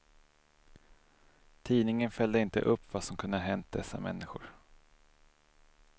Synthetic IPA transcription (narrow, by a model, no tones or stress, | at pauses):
t̪ʰiːnɪŋənfɛld̪əɪnt̪ə̰ʔɵpːvasɔmkʰɵnd̪əɦɛnt̪̚d̪ɛsːa̰mɛ̰nːɪɧʊ̰ɾ